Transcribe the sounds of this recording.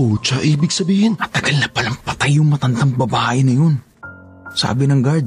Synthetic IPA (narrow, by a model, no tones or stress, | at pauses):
ʔot͡ʃaʔiːbɪɡ̚sɐbiːhɪnɐt̪ɐɡɐlnɐpɐlaŋpɐt̪ajʊŋmɐt̪ɐnd̪aŋbɐbaːʔɪnɐjon | sa̰ːbɪnɐŋɡad̪